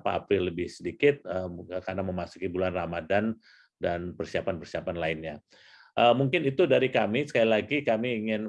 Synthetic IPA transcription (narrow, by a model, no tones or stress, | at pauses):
paːpɾɪlːəbɪhsədikɪt̪̚əkarnaməmasu̥kibulanramadan | danpərsiapanpərsiapanlaɪnɲa | ʔəmuŋkɪnit̪udaɾikamisə̥kalilaɡikamiːŋɪn